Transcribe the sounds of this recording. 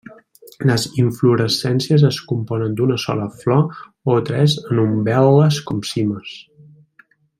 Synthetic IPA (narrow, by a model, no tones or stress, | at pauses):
ləziɱfluɾəsɛnsiəzəskumpɔnənd̪unəsɔ̰ləflɔ | ot̪ɾɛzənumbɛlˠəskɔmsiməs